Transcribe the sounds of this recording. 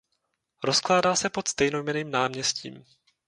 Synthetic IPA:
ɾo̞sklaːdaːsɛpo̞t̪st̪ɛjnojmɛniːmnaːmɲɛscḭːm

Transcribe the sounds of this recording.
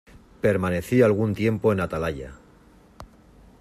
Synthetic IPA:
pe̞ɾmane̞θialɣ̞unt̪je̞mpo̞enat̪alaʎa̰

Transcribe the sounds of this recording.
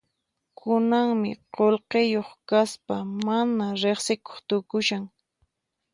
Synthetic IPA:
kʰʊnaŋmɪ̰qolqejoχkaspamanaɾeχsɪko̥χt̪ʊkʊʃaŋ

